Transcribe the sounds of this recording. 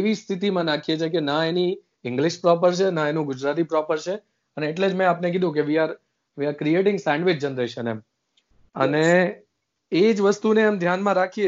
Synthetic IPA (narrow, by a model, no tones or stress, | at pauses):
eʋist̪ʰit̪imãnakʰijet͡ʃʰekenãeni | ɪ̃ŋɡlɪʃpɾɔp̬əɾt͡ʃʰenãenũɡʊd͡ʒɾat̪̬ipɾɔpəɾt͡ʃʰe | əneːʈled͡ʒmɛ̃apnek̬ɪd̪ʱũk̬eʋiaɾ | ʋiaɾkɾieʈɪ̃ŋɡsaɳɖʋɪd͡ʒd͡ʒənɾeʃənḛm | ə̰ne | ed͡ʒʋəst̪uneːmd̪ʱjanmãɾakʰie